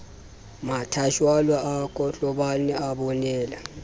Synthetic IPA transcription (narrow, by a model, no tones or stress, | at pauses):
matʰaʃwalwaakʰʼɔɬɔɓanɛaɓɔnɛːla